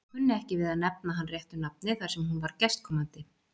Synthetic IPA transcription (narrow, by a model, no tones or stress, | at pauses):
hʏnːɪɛhcɪvɪðaðnɛpnaɦanrjɛht̪ʏnap̚nɪθʰwaɾsɛmhunvaɾcɛst̪̚kʰɔmant̪ɪ